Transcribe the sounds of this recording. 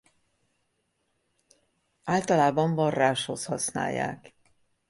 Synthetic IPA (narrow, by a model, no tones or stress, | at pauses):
aːlt̪ɒlaːbɒɱvɒrːaːʃho̞shɒsna̰ːjːa̰ːk